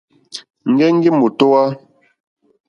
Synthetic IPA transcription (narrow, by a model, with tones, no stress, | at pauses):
ŋ̩˨ɡɛ˦ŋ̩˦ɡi˦mu˨to˦a˦